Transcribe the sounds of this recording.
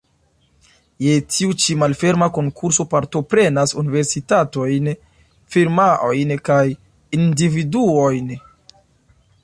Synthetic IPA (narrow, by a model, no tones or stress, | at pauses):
je̞tʰiut͡ʃimalfe̞ɾmako̞ŋkʰuɾso̞paɾto̞pɾe̞nasunive̞ɾsitato̞jn | fiɾmaʔo̞jnkaj | individuo̞jn